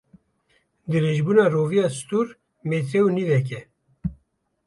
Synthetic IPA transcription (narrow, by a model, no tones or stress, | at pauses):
d̪ɨɾeːʒbuːnɑːroːvijɑːsɨ̥t̪uɾ | meːt̪ɾɛwnivɛk̬ɛ